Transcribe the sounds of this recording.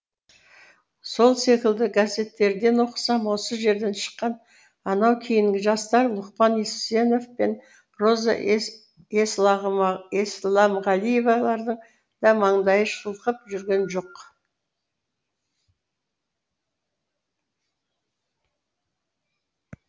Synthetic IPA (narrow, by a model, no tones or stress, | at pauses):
so̞lˠse̞kʲɪld̪ɪɡazʲe̞t̪ːe̞ɾd̪e̞nwo̞qə̥sɑmwo̞səʒe̞ɾd̪e̞nʃə̥qːɑn | ɑnɑwkʲʰejɪŋɡʲɪʒɑst̪ɑɾlˠʊqpɑnise̞no̞vpe̞n | ro̞zɑ̰ | es | eslˠɑmʁɑlˠije̞vɑlˠɑɾd̪əɴ | d̪̥ɑmɑɴd̪ɑjəʃəlˠəqəpʒʏɾɡʲe̞nʒo̞q